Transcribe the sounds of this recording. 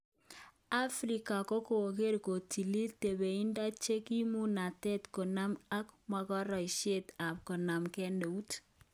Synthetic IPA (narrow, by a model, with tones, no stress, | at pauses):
a˦fɾi˨ka˨ko˦ko˨o˨ke˦ɾko˨ti˨li˦te˨be˨i˦nda˦t͡ʃe˦ki˦mu˦na˨tɛ˦tko˨na˦ma˦kmwa˦kɔ˦ɾɔ˨i˨ʃe˦ta˨p̚kɔ˨na˨mkɛ˦nde˨u˦t